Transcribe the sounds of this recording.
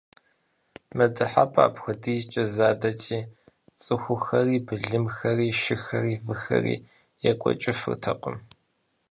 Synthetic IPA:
mɐdɨħapʰʼa̰ːpxʷɐdiːzt͡ʃʼɐzaːdɐtʰiː | t͡sʼɨxʷʊxɐriːbɨɮɨmxɐriːʃɪxɐriːvɨxɐ̰rḭː | jɛkʷʼɔ̰t͡ʃʼɪfɨ̰rtʰɐqʷʊm

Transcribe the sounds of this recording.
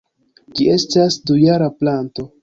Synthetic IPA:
d͡ʒie̞stasdujaɾaplanto̞

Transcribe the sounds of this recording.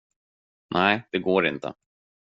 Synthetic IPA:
nʔæɪd̪̥ɛɡoːɾɪ̰nt̪ə̰

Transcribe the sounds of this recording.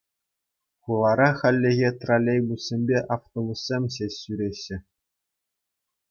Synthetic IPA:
χulˠɑɾɑχɑlʲːĕɣʲet̪ralʲːejbusʲsʲemʲbʲeʔɑft̪obusʲsʲemʲɕesʲsyɾʲeɕːɘ̆

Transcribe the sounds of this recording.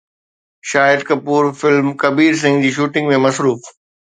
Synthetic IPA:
ʃaːɪd̪̚kɐpuːɾfɪlmkɐbiːɾs̬ɪ̃ŋɡd͡ʑiːʃuːʈɪ̃ŋɡmẽmɐsɾuːf

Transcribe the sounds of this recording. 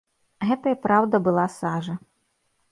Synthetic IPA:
ɣɛt̪ɐjɐpɾawd̪ɐbɨlˠasaʐɐ

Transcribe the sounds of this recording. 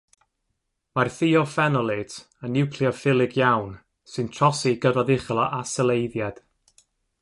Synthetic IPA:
marθiɔfɛnɔlˠɪtʰ | ənːɪwkʰliɔfɪlˠɪɡjawn | sɨntʰr̥ɔsiɡədaðɪχlˠɔʔasəlˠejðjad̥

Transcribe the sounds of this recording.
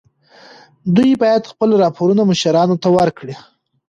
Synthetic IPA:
d̪ujbɑjad̪xpəlɾɑpʰoɾunamʊʃaɾɑnot̪awəɾkɽi

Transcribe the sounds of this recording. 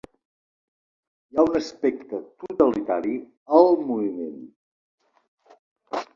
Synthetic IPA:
jaunəspɛk̚t̪ət̪ut̪əlit̪aɾi | əlˠmuβimḛn

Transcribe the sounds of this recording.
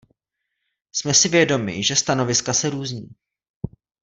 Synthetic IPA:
smɛsɪvjɛdo̞mɪ̰ʒɛst̪ano̞vɪskasɛɾuːzɲiː

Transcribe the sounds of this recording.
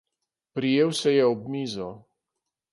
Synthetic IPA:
pɾijeːwsɛjɛɔbmizɔ

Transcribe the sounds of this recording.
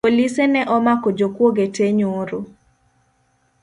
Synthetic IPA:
olisenɛʔɔmakɔd͡ʒokwoɡeteɲoɾo

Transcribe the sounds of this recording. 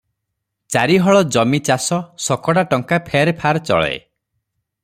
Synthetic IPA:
t͡ʃaɾiɦɔɭɔd͡ʒɔmit͡ʃasɔsɔkɔɽaʈɔŋkapʰeɾpʰaɾt͡ʃɔ̰ɭḛ

